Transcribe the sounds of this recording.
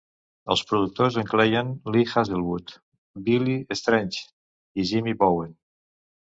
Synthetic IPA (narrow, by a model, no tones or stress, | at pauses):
ə̰lˠspɾuðuk̚t̪ozəŋklejənlixazðelˠβut̪ | biliəst̪ɾɛnʲt͡ʃ | iʒimiβowen